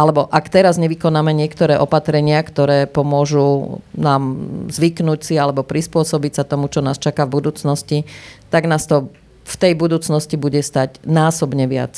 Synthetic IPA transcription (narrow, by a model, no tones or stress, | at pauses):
alɛbɔʔakt̪ɛɾazɲɛʋikɔnaːmɛɲɪɛkt̪ɔɾɛːʔɔpat̪ɾɛɲɪakt̪ɔɾɛːpɔmʊɔʒuːnaːmzʋiknucsialɛbɔpɾispʊɔsɔbicsat̪ɔmut͡ʃɔnaːst͡ʃakavbud̪uːt͡snɔscit̪aɡnaːst̪ɔ | ft̪ɛjbud̪uːt͡snɔscibuɟɛst̪aɟnaːsɔbɲɛʋɪa̰t͡s